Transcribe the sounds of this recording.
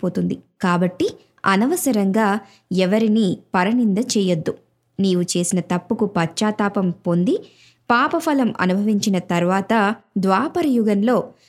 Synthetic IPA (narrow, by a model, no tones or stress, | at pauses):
poːt̪und̪ikaːbɐʈːi | ɐ̰nɐʋɐsɐɾɐŋɡaː | ɛʋɐɾinipɐɾɐnind̪ɐt͡ʃɛːjɐd̪ːu | niːʋut͡ʃe̞ːsinɐt̪ɐpːukupɐt͡ʃːaːt̪aːpɐmpo̞nd̪i | paːpɐpʰɐlɐmʔɐ̰nubʱɐʋiɲt͡ʃinɐt̪ɐɾʋaːt̪ɐd̪ʋaːpɐɾɐjuɡɐnlo̞ː